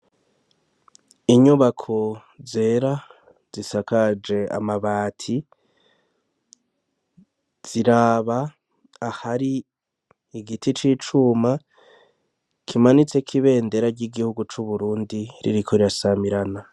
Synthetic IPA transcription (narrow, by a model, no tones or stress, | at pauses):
iɲuβakʰo̞ | ze̞ːɾa | z̥isakad͡ʒe̞a̰maβaːtʰi | z̥iɾaːβaː | haɾiː | ɡitʰit͡ʃit͡ʃuma | kʰimanit͡se̞kʰiβe̞ːnde̞ɾaɾɟiɡihuɡut͡ʃuβuɾuːndiɾḭɾikʰoiɾasamiɾana